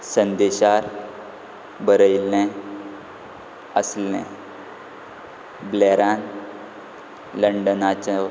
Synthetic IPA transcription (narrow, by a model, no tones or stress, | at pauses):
sənd̪eɕaɾ | bəɾəjlːẽ | əslḛ̃ | bleɾan | ləɳɖənat͡ɕe